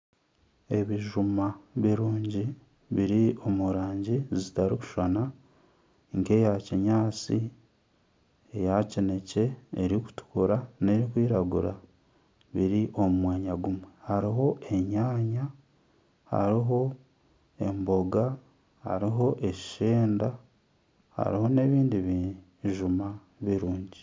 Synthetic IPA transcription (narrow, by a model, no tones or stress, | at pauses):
e̞βiʒumaβiɾuːɲɟi | βiɾio̞muɾaːɲɟizitaɾiku̥ʃana | ŋke̞jaciɲaːt͡si | ejacine̞ce̞ːɾiku̥tu̥kuɾane̞ɾikwiːɾaɡuɾa̰ | βiɾiʔo̞mumwaːɲaɡumwehaɾiɦo̞e̞ɲaːɲa | ha̰ɾiɦo̞ | e̞mbo̞ɡa | ha̰ɾiɦo̞ʔe̞ʃi̥ʃeːnda | ha̰ɾiho̞ne̞βiːndiβi | ʒuma | βiɾuːɲɟi